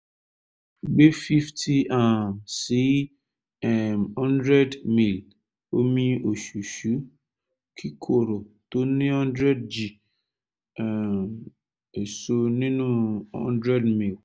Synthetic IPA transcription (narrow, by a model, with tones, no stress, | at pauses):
ɡ͡be˦fi˦ftʰi˦a˨si˨˦ | ɛ˦˨mhɔ̃˦ndɾɛ˦dmĩ˨l | o˦mĩ˧o˨ʃu˨ʃu˨˦ | kʰi˦kʰo˦˨ɾo˨to˨˦nĩ˦hɔ̃˦ndɾɛ˦dd͡ʒi˨ | m | e˨so˧nĩ˦nũ˦hɔ̰˦ndɾɛ˦dmĩ˨l